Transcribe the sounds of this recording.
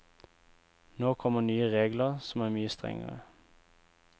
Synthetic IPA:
noːkʰɔmənyːəʁeːɡləʁsɔmæːʁmyːəst̪ʁɛ̰ŋə̰ʁə̰

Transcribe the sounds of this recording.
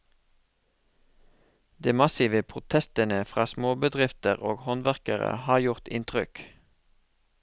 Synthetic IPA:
d̪eːmɑsɪʋəpʰʁʊt̪ʰɛst̪ənəfʁɑːsmoːbəd̪ʁɪft̪əʁoːɡhɔnʋæʁkəʁə̰hɑːjʊʁt̪ɪ̰nt̪ʁʏk

